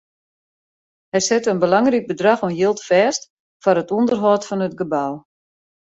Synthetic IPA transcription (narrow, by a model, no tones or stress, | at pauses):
hɛjsɛtəənbəlɑŋrik̚bədraxɔnjɪlˠtfɛːst | fɔɾətundərɦɔːtfɔnətɡəbaw